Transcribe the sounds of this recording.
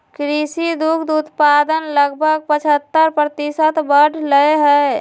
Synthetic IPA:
kɾisid̪ukʰd̪ut̪pad̪ənləɡbʱəɡ̚pət͡ʃʰət̪ːəɾpɾət̪isət̪bəɖʱləeɦɛ

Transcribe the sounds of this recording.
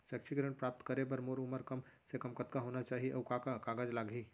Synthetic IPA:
sɛːksʰiɡɾẽɳʈpɾaːp̚t̪kɐɾepɐɾmoːɾʊməɾkɐmsekɐmkɐt̪kaɦoːnat͡ʃaːɦiɐːkakakaːɡad͡ʒlaːɡʱiː

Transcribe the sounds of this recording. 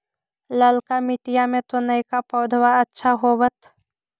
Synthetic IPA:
ləlkamɪʈijamẽt̪onəikapɔːd̪ʱwaɐtːʃʰaɦobət̪

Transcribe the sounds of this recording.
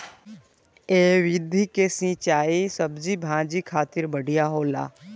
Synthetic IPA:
eːʋɪd̪ʱikesĩːt͡ʃaːisəbzibʱãːd͡ʒikʰaːt̪ɪɾbəɽʱijaɦoːla̰ː

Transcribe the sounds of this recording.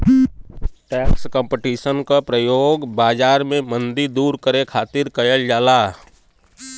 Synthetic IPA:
ʈɛːkskə̃mpeʈiːʃənkapɾəjoːɡbaːd͡ʒaːɾmẽmə̃nd̪iɾd̪uːɾkəɾekʰaːt̪ɪɾkəjəld͡ʒaːlaː

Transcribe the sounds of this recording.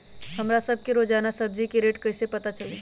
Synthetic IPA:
ɦəmɾasəb̚ʱkeɾod͡ʒaːnasəb̚d͡ʒikeɾeːʈkəɪsepɐt̪at͡ʃəle

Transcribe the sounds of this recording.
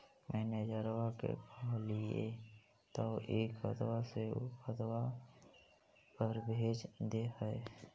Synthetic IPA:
mʔɛːned͡ʒəɾwakḛkʰɔːlie | t̪ɔʔeːkə̰t̪waseət̪wa | pəɾbʱeːd͡ʒd̪ehəe

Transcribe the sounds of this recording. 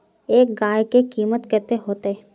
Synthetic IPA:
eːk̚ɡaːjkekiːmət̪kɐɾt̪eɦoːt̪e

